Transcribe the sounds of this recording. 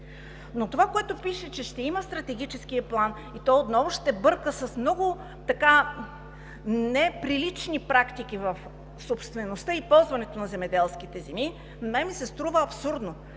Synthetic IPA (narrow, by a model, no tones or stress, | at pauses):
not̪ovakoɛt̪ʊpiʃɛt͡ʃɛʃt̪ɛiməst̪ɾɐt̪ɛɡ̟it͡ʃɛsk̟iəplˠan | it̪ɔjot̪nɔvʊʃt̪ɛbɤɾkəsɐsmnɔɡʊ | t̪ɐka | nɛpɾilit͡ʃnipɾakt̪ik̟ʲivɐf | sopst̪vɛnost̪əipɔlˠzvɐnɛt̪onɐzɛmɛd̪ɛlˠskit̪ɛzɛmi | nɛjmisɛst̪ɾuvəɐpsuɾd̪no